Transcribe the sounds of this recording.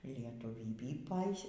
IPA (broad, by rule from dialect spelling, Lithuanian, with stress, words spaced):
lʲiɛtʊˈʋʲiːbʲiː ˈpɐɪs